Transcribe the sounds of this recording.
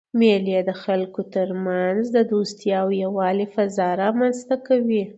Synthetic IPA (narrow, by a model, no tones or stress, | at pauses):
meljed̪əxalkot̪əɾmanzd̪əd̪ost̪jɑwjawɑlifazɑɾɑmanzt̪akawi